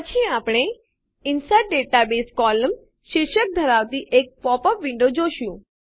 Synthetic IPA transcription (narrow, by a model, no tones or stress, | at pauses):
pət͡ʃʰiapɽ̃e | ɪnsajʈ̚ɖeʈabeːskɔləm | ʃɪɾʃək̚d̪ʱəɾaʋt̪iʔek̚pɔpəpʋɪ̃ɳɖod͡ʒoʃjũ